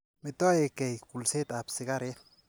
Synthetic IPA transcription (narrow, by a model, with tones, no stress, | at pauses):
mɪt̪ːɔ˦e˨kɛ˨jku˨lse˦t̪apsɪ˨ka˦ɾe